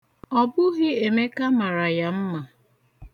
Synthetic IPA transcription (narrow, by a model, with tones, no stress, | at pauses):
ɔ˨bʊ˦ɣɪ˦e˨me˦ka˦ma˨ɾa˨ja˦m̩˦ma˨